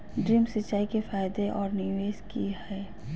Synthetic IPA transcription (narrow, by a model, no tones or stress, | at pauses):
ɖɾiːmsɐt͡ʃːaːikefaːjd̪eʔɔːɾnɪʋeːʃkihɛː